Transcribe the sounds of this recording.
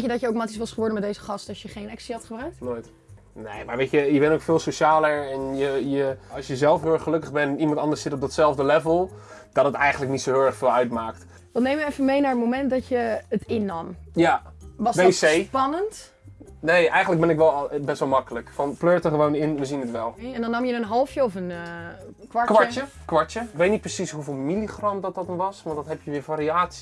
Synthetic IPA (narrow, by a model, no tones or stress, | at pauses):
kjədɔtjəokmaːtisʋɑsχəʋɔɹdəmɛdejzəχɑstɔjəχejnɛksiɑtχəbraɥk̚tnoːjt | neːmaːɹʋejəjəbɛntowkfɪːlˠsoʃaːləɹɛnjəjəɑlˠsjəzɛlˠfɦølˠɛχəlɵkəχbɛnimɑntɑndəɹsɪtɔp̚dɑtsɛlˠvdəlɛvəlˠd̥ɑtətɛjχəntləknitsoɦɪːlˠɛχfɪːlˠœɥtmaːk̚t | ʋɑnejmʋəɛfəmejnaːɹətmomɛntdɑtjəətɪnɑmjaʋɔsbesejpɑnənt | nejɛjxəndlək̚bɛnɪkʋɛlˠbɛstʋɛlˠmɑkələkfɑnpløːɹtəχəʋownɪnʋəzinətʋɛlˠɛndɔnɑmjənənɦɔlˠfjəɔfən | kʋakʋaɹəkʋaɹtjəɪkʋejtnit̚prəsisɦuvɪːlˠmiliχrɑmdɔt̚ɔtənʋɑsʋɑntdɑtɦɛpjəʋɪːɹfaːɾiaːtsi̥